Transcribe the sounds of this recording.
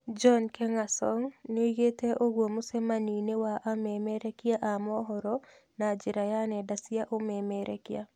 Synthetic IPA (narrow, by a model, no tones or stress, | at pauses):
d͡ʒɔnkɛŋasɔŋneɡeteʔoɡwomʊsemaninewaʔamemeɾekɪaʔamɔɦɔɾɔ | nad͡ʒɪɾajanɛdasɪaʔomemɛɾḛkɪja̰